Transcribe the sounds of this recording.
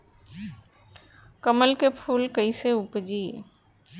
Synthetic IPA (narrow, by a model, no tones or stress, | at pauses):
kəməlkepʰuːlkəiseʊpd͡ʒiː